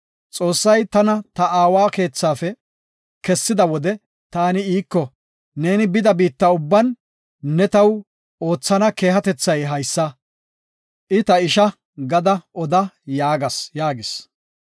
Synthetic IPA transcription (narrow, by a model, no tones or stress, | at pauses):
t͡sʼo̞ːsːɐjt̪ɐnɐt̪ɐaːwaːke̞ːt͡sːaːfɛ | kɛsːɪd̪ɐwɔd̪ɛ | t̪aːnɪiːkːɔ | ne̞ːnɪbɪd̪ɐbiːt̪ːɐʊbːɐnː | ɛt̪ɐw | o̞ːt͡sːɐnɐke̞ːɦɐt̪ɛt͡sːɐjɦɐjsːɐ | ʔɪt̪ɐɪʃɐ | ɡɐd̪ɐʔɔd̪ɐjaːɡɐsjaːɡɪs